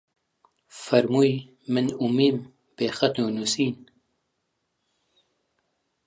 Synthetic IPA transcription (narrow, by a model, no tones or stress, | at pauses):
fɐɾmuj | mɨnumiːm | b̥eːxɐt̪nuːnusiːn